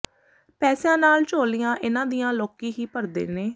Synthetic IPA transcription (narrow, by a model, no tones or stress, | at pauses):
pɛːsãːnaːlt͡ʃoːlijãːʔɪnãːd̪ɪjãːloːkiːɦiːpəɾd̪ḛːneː